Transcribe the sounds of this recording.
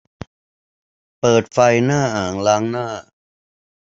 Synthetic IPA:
pɤː˨˩t̪̚fa˧jnaː˥˩ʔaː˨˩ŋlaː˦˥ŋnaː˥˩

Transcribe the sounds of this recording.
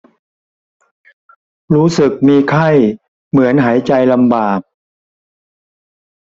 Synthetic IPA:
ɾuː˦˥sɯ˨˩k̚miː˧kʰa˥˩j | mɯ˩˦ənɦaː˩˦jt͡ɕa˧jla˧mbaː˨˩k̚

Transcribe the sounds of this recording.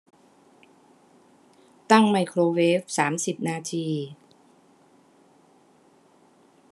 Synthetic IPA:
t̪a˥˩ŋma˧jkʰɾoː˧weː˦˥f̚saː˩˦msi˨˩p̚naː˧t̪ʰiː˧

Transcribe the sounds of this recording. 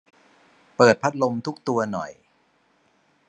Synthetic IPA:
pɤː˨˩t̪̚pʰa˦˥t̪̚lo˧mt̪ʰu˦˥k̚t̪u˧ɐnɔ̰˨˩j

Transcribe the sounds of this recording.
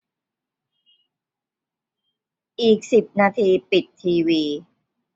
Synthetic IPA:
ʔiː˨˩k̚si˨˩p̚naː˧t̪ʰiː˧pi˨˩t̪ʰːiː˧wiː˧

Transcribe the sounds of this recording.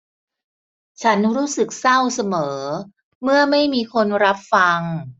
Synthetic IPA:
t͡ɕʰa˦˥nɾuː˦˥sɯ˨˩k̚sa˥˩wsa˧mɤː˩˦ | mɯ˥˩ɐma˥˩jmiː˧kʰo˧nɾa˦˥p̚fa˧ŋ

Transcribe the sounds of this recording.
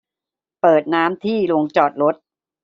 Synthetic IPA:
pɤː˨˩t̪̚naː˦˥mt̪ʰiː˥˩lo˧ŋt͡ɕɔː˨˩t̪̚ɾo˦˥t̪̚

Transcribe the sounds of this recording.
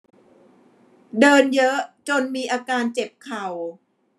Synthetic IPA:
dɤː˧njɤ˦˥ʔt͡ɕo˧nmiː˧ʔaː˧kaː˧nt͡ɕe˨˩p̚kʰa˨˩w

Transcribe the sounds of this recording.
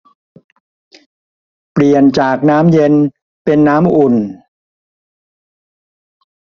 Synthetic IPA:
pli˨˩ənt͡ɕaː˨˩k̚naː˦˥mje˧n | pe˧nːaː˦˥mʔu˨˩n

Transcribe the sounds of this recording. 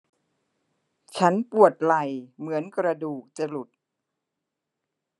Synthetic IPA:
t͡ɕʰa˦˥npu˨˩ət̪̚la˨˩jmɯ˩˦ənkɾa˧duː˨˩k̚t͡ɕa˧lu˨˩t̪̚

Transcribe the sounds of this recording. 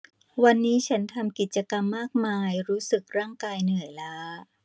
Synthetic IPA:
wa˧nːiː˦˥t͡ɕʰa˦˥nt̪ʰa˧mki˨˩t̪̚t͡ɕa˧ka˧mːaː˥˩k̚maː˧jɾuː˦˥sɯ˨˩k̚ɾaː˥˩ŋkaː˧jnɯ˨˩əjlaː˦˥

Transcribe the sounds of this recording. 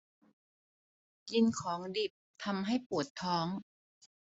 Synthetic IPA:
ji˧nkʰɔː˩˦ŋdi˨˩p̚t̪ʰa˧mɦa˥˩jpu˨˩ət̪ʰːɔː˦˥ŋ

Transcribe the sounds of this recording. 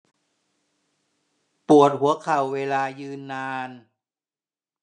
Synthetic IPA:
pu˨˩ət̪̚ɦu˩˦ɐkʰa˨˩wːeː˧laː˧jɯː˧nːaː˧n

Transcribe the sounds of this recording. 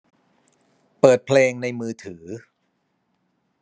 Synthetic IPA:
pɤː˨˩t̪̚pʰleː˧ŋna˧jmɯː˧t̪ʰɯː˩˦

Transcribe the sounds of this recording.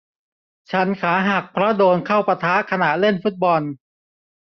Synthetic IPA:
t͡ɕʰa˦˥nkʰaː˩˦ɦa˨˩k̚pʰɾɔ˦˥doː˧nkʰa˥˩wpa˧t̪ʰa˦˥kʰa˧na˨˩ʔle˥˩nfu˦˥t̪̚bɔ˧n

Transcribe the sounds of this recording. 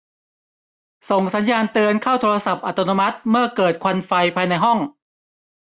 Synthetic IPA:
so˨˩ŋsa˩˦njaː˧nt̪ɯː˧ənkʰaː˥˩wt̪ʰoː˧ɾa˧sa˨˩p̚ʔa˨˩t̪ːɔː˧noː˧ma˦˥t̪̚mɯ˥˩ɐkɤː˨˩t̪̚kʰwa˧nfa˧jpʰaː˧jna˧jɦɔ˥˩ŋ

